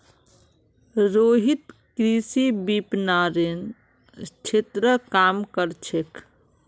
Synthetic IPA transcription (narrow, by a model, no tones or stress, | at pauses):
ɾoɦit̪kɾisibipnaɾen | t͡ʃʰet̪ɾəkamkəɾt͡ʃʰek